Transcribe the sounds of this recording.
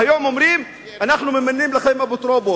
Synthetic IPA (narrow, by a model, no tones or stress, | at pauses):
ajoːmʔomɾiːm | ʔanaxnumemanːiːmlɪxajmabɪt̪ɾobo